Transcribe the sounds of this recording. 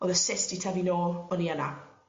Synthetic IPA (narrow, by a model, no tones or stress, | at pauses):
ɔðəsɪstitʰavinoːɔniana